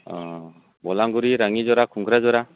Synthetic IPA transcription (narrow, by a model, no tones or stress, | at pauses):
ɔ | bɔlaŋɡuɾiɾaŋizɔɾakʰuŋkʰɾazɔɾa